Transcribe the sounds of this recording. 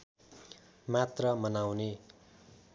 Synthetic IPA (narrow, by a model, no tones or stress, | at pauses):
mat̪rʌmʌnawne